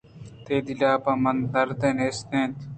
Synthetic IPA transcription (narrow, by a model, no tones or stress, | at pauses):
t̪eːd̪ilaːbɐmɐnd̪ɐɾd̪eneːst̪ẽːnt̪